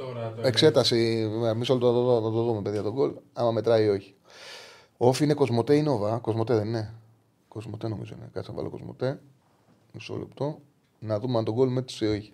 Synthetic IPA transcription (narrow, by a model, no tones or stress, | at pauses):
ekse̞t̪ɐsimemisolot̪otooɐt̪oðumepeðʝɐt̪o̞ɡo̞lɐmɐme̞t̪ɾɐio̞çi̥ | o̞fiine̞ko̞zmo̞t̪eineovɐko̞zmo̞t̪eðenine | ko̞zmo̞t̪eno̞mḭzo̞ḭnḛkɐsɐvɐ̰loko̰zmo̰t̪e | iso̰lḛpt̪o | nɐðumeɐnt̪o̞ɡo̞lmet̪sio̞çi̥